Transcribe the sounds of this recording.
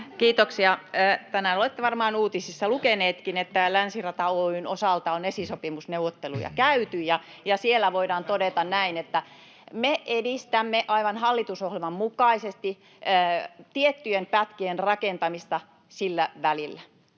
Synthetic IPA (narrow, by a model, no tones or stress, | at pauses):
kiːt̪oksiɑːt̪ænæːnolet̪ːeʋɑrmɑːnuːt̪isisːɑlukeneːt̪kinet̪ːælænsirɑt̪ɑoynosɑlt̪ɑonesisopimusneuʋot̪ːelṵjɑ̰kæyt̪yjjɑ | jɑsielːæʋoidɑːnt̪odet̪ɑnnæinet̪ːæ | meʔedist̪æmːeʔɑiʋɑnhɑlːit̪usohlelmɑmmukɑisest̪iː | t̪iet̪ːyjempæt̪kienrɑkent̪ɑmist̪ɑ | silːæʋælilːæ